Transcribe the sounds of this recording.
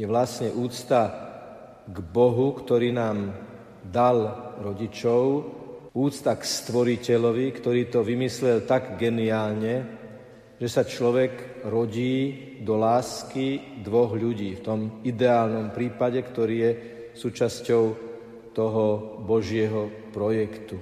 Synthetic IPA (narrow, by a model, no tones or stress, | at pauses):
jɛʋlasɲɛʔuːt͡st̪a | ɡbɔɦukt̪ɔɾiːnaːm | d̪alɾɔɟit͡ʃɔʊ | uːt͡st̪akst̪ʋɔɾicɛʎɔʋikt̪ɔɾiːt̪ɔʋimislɛlt̪aɡɡɛniaːlɲɛ | ʒ̥ɛsat͡ʃlɔʋɛɡ | ɾɔɟiː | d̪ɔlaːskid̪ʋɔɣʎuɟiːft̪ɔmid̪ɛaːlnɔmpɾiːpaɟɛkt̪ɔɾiːjɛ | suːt͡ʃascɔʊ | t̪ɔɦɔbɔʒɪɛɦɔ | pɾɔjɛkt̪u